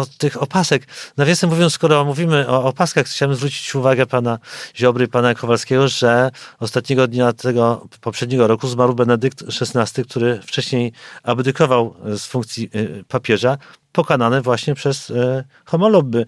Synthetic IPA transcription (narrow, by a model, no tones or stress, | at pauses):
ɔt̪ɘxɔpasɛknavjasɛmuvʲjɔnsskɔɾɔmuvʲimɘɔːpaskaxxt͡ɕawɛmzvɾut͡ɕi̥t͡ɕuvaɡɛpanaʑɔbɾɘpanakʰɔvalskʲɛɡɔʐɛɔst̪at̪̚ɲɛɡɔd̪ɲat̪ʰɛɡɔpɔpʂɛd̪̚ɲɛɡɔɾɔkuzmaɾwbɛnɛd̪ɘk̚t̪ʂɛsnast̪ɘk̚t̪ʰuɾɘft͡ʂɛɕɲejabd̪ɘkɔvawsfuŋk̚t̪sʲjipapʲjɛʐapɔkananɘvwaɕɲɛpʂɛs | xɔmɔlɔbɘ